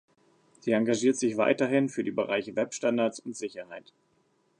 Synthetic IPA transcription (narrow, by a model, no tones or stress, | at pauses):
z̥iːaŋɡaʒiːɐtz̥ɪçv̥a̰ɪtɐɦɪnfyːɐdiːbəʁa̰ɪçəvɛpʃtandaɐt͡sʊntz̥ɪçɐhaɪt